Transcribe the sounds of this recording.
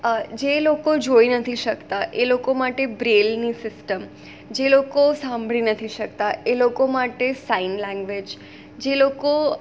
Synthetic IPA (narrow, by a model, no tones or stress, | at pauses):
d͡ʒelokod͡ʒoinət̪ʰiʃəkt̪aʔelokomaʈebɾelnisɪsʈəm | d͡ʒelokosãmbʱɭinət̪ʰiʃək̚t̪aʔelokomaʈesainlɛ̃ŋɡʋed͡ʒ | d͡ʒeloko